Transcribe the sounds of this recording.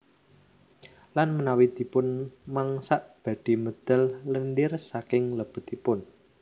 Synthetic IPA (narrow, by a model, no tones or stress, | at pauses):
lanmənawid̪̥i̤pʊnmaŋsaʔb̥ä̤d̥i̤mod̪̥ɛllənɖɪrsakɪŋləb̥ʊ̤t̪ipʊn